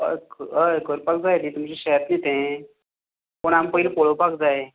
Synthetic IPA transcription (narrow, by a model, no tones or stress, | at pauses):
kəjkəɾpak̚d͡zaet̪it̪umt͡ɕiɕəjat̪nit̪ẽ | poɽ̃ampəɦilpoɭopakd͡zae